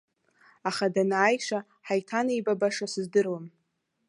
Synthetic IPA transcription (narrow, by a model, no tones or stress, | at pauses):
aχadanaːjʂʷa | ħajtʰanejbabaʂasɨzdɨrwam